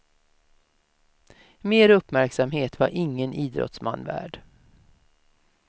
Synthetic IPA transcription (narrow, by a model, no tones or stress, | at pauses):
meːɾɵpːmæɾksamɦeːt̪vaɾʔɪŋːəniːd̪ɾɔ̰t̪sma̰nːvæ̰ːɖ